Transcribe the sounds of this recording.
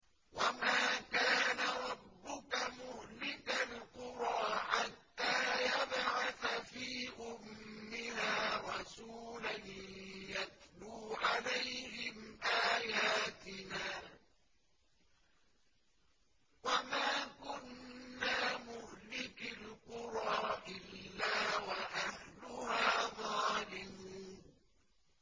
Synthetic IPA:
wamaːkaːnaɾˤɑbːʊkamʊhlɪkalqʊɾˤɑːħat̪ːaːjabʕaθafiːʔʊmːɪhaːɾˤɑsuːlanjat̚luːʕalajhɪmʔaːjaːt̪ɪnaː | wamaːkʊnːaːmʊhlɪkɪlqʊɾˤɑːʔɪlːaːwaʔahlʊhaːðˤɑːlɪmuːn

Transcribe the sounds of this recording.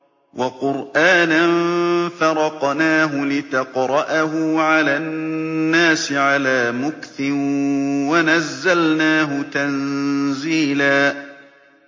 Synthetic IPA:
wʔaqʊɾʔaːnanfɑɾˤɑqnaːɦʊlɪt̪ɑqɾˤɑʔaɦʊʕalaːnːaːsɪʕalaːmʊkθɪ | wanazːalnaːɦʊt̪anziːlaː

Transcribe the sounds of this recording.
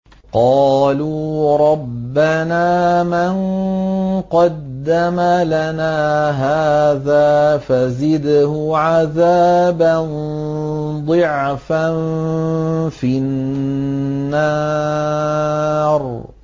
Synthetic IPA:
qɑːluːɾˤɑbːanaːman | qɑd̪ːamalanaːɦaːðaːfazɪd̪hʊʕaðaːban | d̪ˤɨʕfan | fi | ɑː | ɾˤ

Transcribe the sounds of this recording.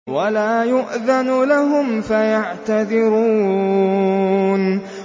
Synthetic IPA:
walaːjʊʔðanʊlaɦʊmfajaʕt̪aðɪɾuː | n

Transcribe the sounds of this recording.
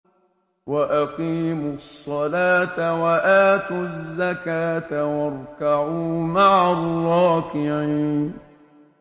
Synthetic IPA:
waʔaqiːmʊsˤːɑlaːt̪awaʔaːt̪uzːakaːt̪awɑɾˤkaʕuːmaʕarˤːɑːkɪʕiːn

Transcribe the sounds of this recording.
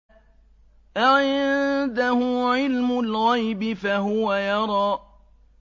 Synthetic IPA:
ʔaʕɪd̪ahʊʕɪlmʊlɣajbɪfaɦʊwajɑɾˤɑː

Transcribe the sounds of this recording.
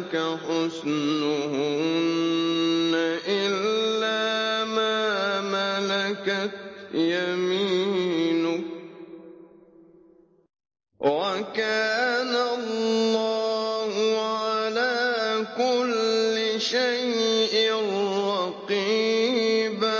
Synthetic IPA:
kaħʊsnʊhʊnnnːaʔɪlːaːmaːmalakat̪jamiːnʊ | wakaːnalːɑːhʊʕalaːkʊlːɪʃajʔɪnɾɑqiːba

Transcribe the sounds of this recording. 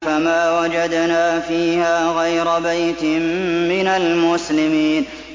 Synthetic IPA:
amaːwad͡ʒad̪naːfiːhaːɣajɾabajt̪ɪmmɪnalmʊslɪmiːn

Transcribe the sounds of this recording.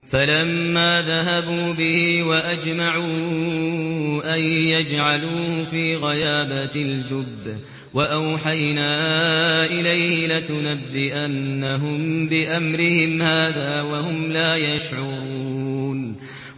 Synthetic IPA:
falamːaːðaɦabuːbɪhɪwaʔad͡ʒmaʕuː | ʔajjad͡ʒʕaluːhfiːɣajaːbald͡ʒʊbː | waʔawħajnaːʔɪlajhɪlɪt̪ʊnabːɪʔanːaɦʊmbɪʔamɾɪhɪmhaːðaːwaɦʊmlaːjaʃʕʊɾuuːn

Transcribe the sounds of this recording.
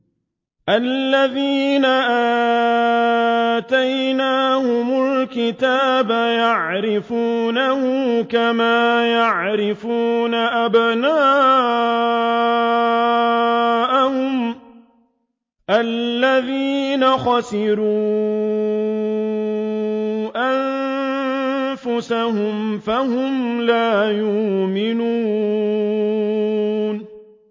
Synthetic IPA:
ʔalːaðiːnaʔa | t̪ajnaːhʊmʊlkɪt̪aːbajaʕɾɪfuːnahʊmkamaːjaʕɾɪfuːnaʔabnaː | ʔahʊm | ʔalːaðiːnaxɑsɪɾuː | ʔan | fʊsahʊmfahʊmlaːjʊmɪnuː | n

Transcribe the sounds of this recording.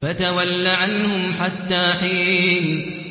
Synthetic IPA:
at̪awalːaʕanhʊmħat̪ːaːħiːn

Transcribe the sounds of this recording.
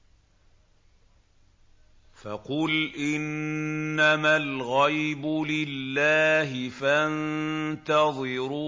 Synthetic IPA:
faqʊlʔɪnː | amalɣajbʊlɪlːaːɦɪfant̪ɑðˤɨɾuː

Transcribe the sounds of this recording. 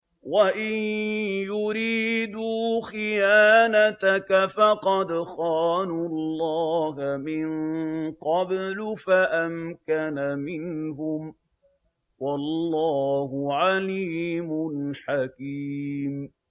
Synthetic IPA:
waʔɪnjʊɾiːd̪uːxɪjaːnat̪akafɑqɑd̪xɑːnuɑɑlːɑːɦamɪnqɑblʊfaʔamkanamɪnɦʊm | wɑlːɑːhʊʕaliːmʊnħakiːm

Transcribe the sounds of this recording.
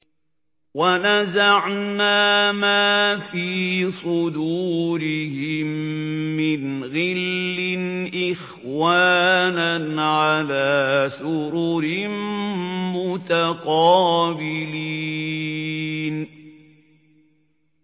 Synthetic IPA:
wanazaʕnaːmaːfiːsˤʊd̪uːɾɪhɪmː | ɪnɣɪlːɪnʔɪx | waːnanʕalaːsʊɾuɾɪmmʊt̪aqɑːbɪliː | n

